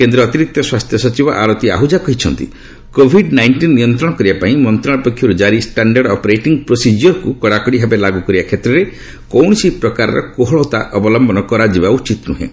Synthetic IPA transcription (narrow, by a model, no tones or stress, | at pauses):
kend̪ɾɔt̪iɾik̚t̪ːɔswast̪ʰjɔsɔt͡ʃibɔʔaɾot̪ia̰ɦud͡ʒakɔɦit͡ʃʰɔnt̪ḭ | kobʱiɖnajɳʈinːijɔnt̪ɾɔɽ̃ɔkɔɾibapaĩmɔnt̪ɾɔɽ̃ɔpɔkʰjɔɾud͡ʒaɾisʈaɳɖaɾɽɖɔpɔɾeʈiŋɡpɾosid͡ʒjɔɾkukɔɽakɔɽibʱabelaɡukɔɾibakʰet̪ɾɔɾe | kɔwɳ̃ɔsipɾɔkaɾa̰ɾɔ̰koɦɔɭɔt̪aʔɔbɔlɔmbʱɔnɔkɔɾad͡ʒibaut͡ʃit̪nṵɦḛ̃